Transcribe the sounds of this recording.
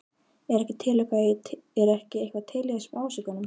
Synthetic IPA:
ɛɾɛhcɪt̪ʰɪlːɛkaɛɾɛhcɪehkvat̪ʰɪlːɛɣasmaːwsikanʏm

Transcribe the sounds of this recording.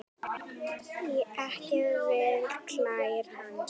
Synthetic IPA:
jɛʔɛhcɪðvɪðkʰl̥ajɾ̥han

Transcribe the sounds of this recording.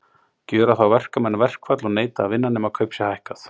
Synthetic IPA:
cœːɾaθawvɛr̥kamɛnvɛr̥kvat̪lɔɣneːjt̪aːvɪnːanːɪmakʰœɥpsjahajhkaθ

